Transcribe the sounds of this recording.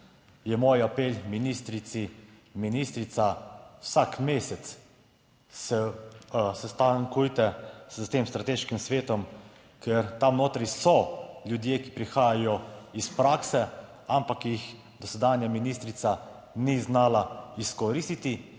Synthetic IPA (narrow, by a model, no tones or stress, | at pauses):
jɛmoːjapeːlminist̪ɾit̪si | minist̪ɾit̪sawsakmeːsɛt̪s | sɛ | sɛst̪aŋkujt̪ɛst̪emst̪ɾat̪eːʃkimsʋeːt̪ɔm | kɛɾt̪amnoːt̪ɾisɔljud̪jeːki̥pɾixaːjajɔispɾaːksɛ | ampakjix | d̪ɔsɛd̪aːnjaminist̪ɾit̪sa | niznaːlaiskɔɾiːst̪it̪i